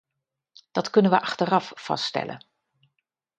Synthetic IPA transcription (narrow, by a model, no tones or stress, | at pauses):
d̥ɑtkɵnənʋəʔɑχtərɑffɑ̰sttɛ̰lʔə̰n